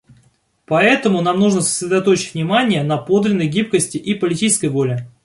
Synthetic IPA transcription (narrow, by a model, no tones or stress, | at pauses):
pɐɛt̪əmʊnamnuʐnəsə̥sʲɾʲɪd̪ɐt̪o̞t͡ɕɪ̥tʲvnʲɪmanʲɪjənɐpo̞d̪lʲɪnːəjɡʲip̚kəsʲtʲɪʔipəlʲɪtʲit͡ɕɪskəjvo̞lʲɪ